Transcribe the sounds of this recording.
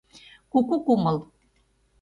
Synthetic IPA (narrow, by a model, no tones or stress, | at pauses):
kukukumɤl